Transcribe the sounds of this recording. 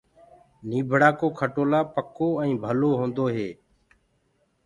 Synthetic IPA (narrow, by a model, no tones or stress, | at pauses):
niːbʱɽaːkoːkʰəʈoːlaːpəkoːɛ̃ːbʱəloːɦõːnd̪oːɦeː